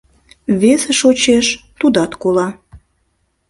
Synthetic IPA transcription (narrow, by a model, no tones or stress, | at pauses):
βeseʃot͡ɕeʃt̪ud̪ɑt̪kolɑ